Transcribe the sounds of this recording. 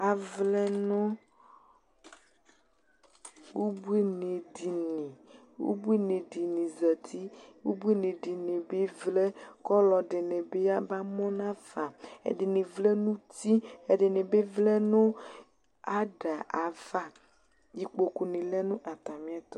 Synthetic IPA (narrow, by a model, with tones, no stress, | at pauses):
a˨vlɛ˦nõ˦ | wu˦bu˦e˦ne˨di˨nĩ˨ | wṵ˦bu˦e˦nẽ˨di˨nĩ˨zɛ˨t̪ʰi˦wṵ˦bu˦e˦ne˨ɖi˨nẽ˨be˦vlɛ˦kɔ˦lɔ˨ɖe˨ne˨be˦a˦ba˦mɔ̃˦nã˦v̥a˨ḛ˨ɖe˨ne˨vlɛ˦nũ˦t̪i˦e˨ɖe˨ne˨be˦vlɛ˦nõ˦ | a˦ɖa˨ʔa˨v̥a˦ | ji˨k͡po˨ku˨nĩ˨lɛ˦nũ˦ʔa˨t̪a˨mĩ˦a˦t̪ɔ˦